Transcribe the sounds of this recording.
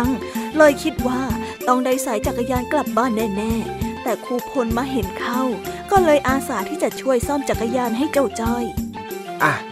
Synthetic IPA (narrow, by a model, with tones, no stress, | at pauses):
ŋlɤː˧jkʰi˦˥t̪̚waː˥˩t̪ɔ˥˩ŋdaː˥˩jsa˩˦jt͡ɕa˨˩kːa˧jaː˧nkla˨˩p̚baː˥˩˨nːɛː˥˩nɛː˥˩t̪ɛː˨˩kʰuː˧pʰo˧nmaː˧ɦe˩˦nkʰa˥˩wkɔː˥˩lɤː˧jʔaː˧saː˩˦t̪ʰiː˥˩t͡ɕa˨˩t͡ɕʰu˥˩əjsɔː˥˩mt͡ɕa˨˩kːa˧jaː˧nɦa˥˩jt͡ɕa˥˩wt͡ɕa˥˩j | ʔa˧˩